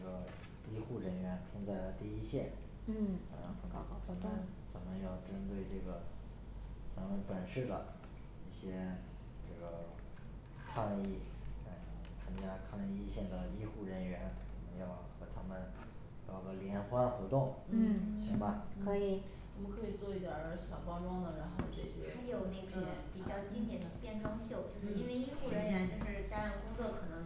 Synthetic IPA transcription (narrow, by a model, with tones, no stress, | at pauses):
ɡə˩ | i˥xu˥˩ɻə˧˥nɥɛ˧˥nʈ͡ʂʰʊ˥ŋt͡sa˥˩ɪlə˩t̪i˥˧i˥ɕjɛ˥˩n̩˥˩ | ə̰˧˩xə˨˩nʰ˧˥˧t͡sʰə˧˨˩nmə˧˦n | t͡sə˨˩nmə˦jɑ˥˩ʊʈ͡ʂə˥nt̪we˥˧ɪʈ͡ʂɤ˥˩ɡə˩ | t͡sa˧˥ŋwə˧˥pə˨˩nʂɻ̩˥˩d̪ə̰˩ | i˥˩ɕjɛ˥ | t͡ɕjo˥˩ʈ͡ʂə˧˩ | kʰɑ˥˧ŋi˥˩˧ | ə˥˩˧t͡sʰə˥ŋt͡ɕja˥kʰɑ˥˧ŋi˥˧ɕjɛ˥˩nd̪ə˩i˥xu˥˩ɻə˧˥nɥɛ˧˥nt͡sə˨˩nmə˦jɑ˥˩ʊxɤ˧˥t̪ʰa˥mə˨˩n | t̪ɑ˨˩ʊd̪ə˧˦ljɛ˧˥nxwa˥nxwɔ˧˥t̪ʊ˥˩ŋn̩˥˩ɕi˧˥ŋbɐ˧kʰɤ˧˥i˨˩ | a˥˩mə˧kʰɤ˧˥i˨˩t͡swɔ˥˧i˥˩d̪jə˨˧˥ɕjɑ˨˩ʊpɑ˥ʊʈ͡ʂwɑ˥ŋd̪ə˨ɻa˧˥nxo˥˧ʊʈ͡ʂɤ˥˩ɕjɛ̰˥a˥jo˨˩ʊne˥˩ɡɛ˥pi˨˩t͡ɕjɑ˥˩ʊt͡ɕi˥ŋt̪jɛ˨˩nd̪ə˦pjɛ˥˩nʈ͡ʂwɑ˥ŋɕjo˥˩ʊt͡ɕjo˥˧ʊʂɻ̩˥˧i˥nwe˥˧ɪi˥xu˥˩ɻə˧˥nɥɛ˧˥nt͡ɕo˥˧ʊʂɻ̩˥˩t̪a˥n˥˧ku˥kɤ˥˩kʰɤ˨˩nɤ˧˥ŋ